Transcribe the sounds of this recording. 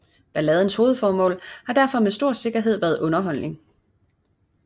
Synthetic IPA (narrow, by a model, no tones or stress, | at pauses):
b̥ælɛð̞ˠn̩sho̝ːð̞̩ˠfɒːmɔ̰̽ːlhɑ̈d̥æɐfɒ̽mesd̥o̝ɐ̰se̝ɡ̥ɐɦe̝ð̞̰ˠʋæɐðˠʔɔ̽nɐɦɒ̽l̰ne̝ŋ